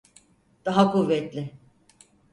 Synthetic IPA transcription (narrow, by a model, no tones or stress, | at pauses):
d̪̥aɦakuvːɛt̪lʲɪ